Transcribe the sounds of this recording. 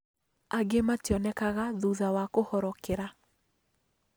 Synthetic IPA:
aɡematjɔnɛkaɣaðuðawakohɔɾɔkeɾa

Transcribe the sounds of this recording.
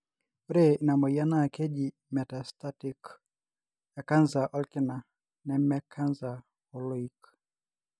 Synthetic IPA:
uɾɛinamɔianakɛʄi | mɛtastatik | jakanzaʔɔlkina | nɛmɛkʰanza | ɔlɔik

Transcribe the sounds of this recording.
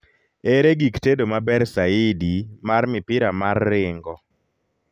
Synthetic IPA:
eɾeɡiktedomabɛɾsaɪdimarmɪpɪɾamarːɪŋɡɔ

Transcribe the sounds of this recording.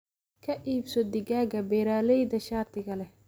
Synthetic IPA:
kʰɐʔiːbsɔd̪ɪɡaːɡɐbɛɾaːlɛjd̪ɐʃaːt̪ʰɪɣɐlɛ

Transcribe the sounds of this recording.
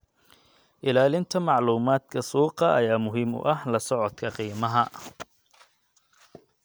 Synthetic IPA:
ʔɪlaːlɪnt̪ʰɐmɑʕluːmaːd̪kʰɐsuːqɑʔɐ̰jaːmʊɦiːmʊ̰ʔɐhlɐsɔʕɔd̪kʰɐqiːmɐɦɐ

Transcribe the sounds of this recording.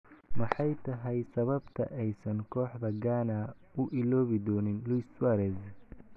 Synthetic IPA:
mɐħɑjt̪ʰɐɦɛjsɐβɐbt̪ʰɐ̰ʔɛjsɐŋkʰɔːħd̪ɐɡaːna | ʊʔɪlɔːβɪd̪ɔːnɪnlujswaɾɛz

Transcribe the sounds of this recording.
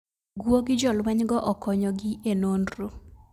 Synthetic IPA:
ɡwoɡɪd͡ʒɔlwɛɲɡɔʔɔkɔɲɔɡienondɾo

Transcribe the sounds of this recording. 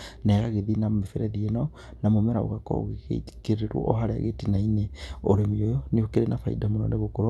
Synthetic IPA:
neɣaɣeðinamefeɾeðieno | namomeɾa̰o̰ɣako̰ɣeɣḛi̥keeɾwo̰ʔo̰ɦaɾea̰ɣetinaineoɾemiojoniokeɾenʔafaḭdamono̰neɣokoɾo

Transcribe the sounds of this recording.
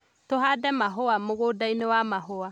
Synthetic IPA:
toɦadɛmaɦoamoɣodainewamaɦoa

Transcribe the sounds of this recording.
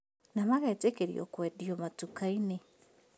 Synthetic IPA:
namaɣetekeɾjo̰kwediomatukaine

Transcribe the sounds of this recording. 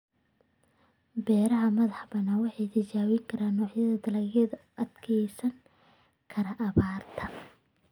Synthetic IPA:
bɛːɾɐɦɐmɐðɑħbɐnɐwɑħɑjt̪ʰɪt͡ʃaːwiŋkʰɐɾaːnːɔːʕjɐðɐd̪ɐlɐɣɐðɐʔɐd̪kʰɛjsɐŋ | kʰɐɾɐʔɐβaːrt̪ʰɐ

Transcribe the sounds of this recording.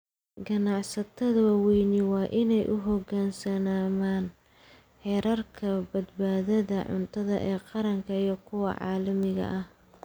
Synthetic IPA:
ɡɐnɑʕsɐt̪ʰɐðɐwwɛjnɪwɑːʔɪnɛjʔʊɦɔɡaːnsɐnaːmaːn | ħɛːɾɐrkʰɐbɐd̪̚baːðɐðɐʕʊ̰nt̪ʰɐðɐʔɛːqɑɾɐŋkʰɐijɔkʰʊwɐ̰ʕɑ̰ːlɐmɪɣɐ̰ʔɐh

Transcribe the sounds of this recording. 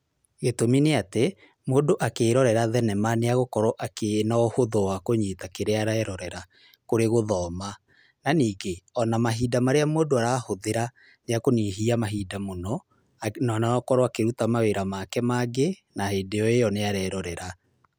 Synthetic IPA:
ɣetomineate | moːdoʔakeːɾɔɾɛɾaðɛnɛmaneaɣokɔɾɔʔakenaɔhoðɔwakoɲitakeɾeaɾaɛɾɔɾɛɾa | koɾeɣoðɔːma | naniːɡeɔnamaɦiːdamaɾeamoːdoaɾaːhoðeɾa | neakoniɦiamaɦiːdamonɔ | nanaɔkɔɾɔakeɾutamaweɾamakɛmaɡe | naheːdeɔejɔneaɾɛɾɔɾɛɾa

